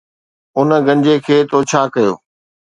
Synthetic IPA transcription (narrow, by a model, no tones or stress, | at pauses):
ʊnə̆ɡɐ̃ɲd͡ʑekʰeːt̪ʰot͡ɕʰaːkɐjo̰ː